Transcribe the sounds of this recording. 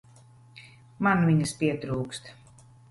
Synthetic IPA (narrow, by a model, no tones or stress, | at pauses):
manviɲɐspiɛt̪ɾuːkst̪